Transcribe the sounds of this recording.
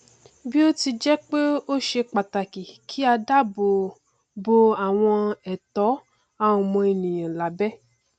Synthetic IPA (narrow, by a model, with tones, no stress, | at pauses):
bi˦o˦ti˧d͡ʒɛ˦k͡pe˦o˦ʃe˧k͡pa˨ta˨ki˨kʰi˨˦a˧da˦bo˨ | bo˧a˨w̃ɔ̃˧ɛ˨tɔ˨˦ | a˦˨ũ˨mɔ̃˧e˧nĩ˨j̃ã˨la˨˦bɛ˦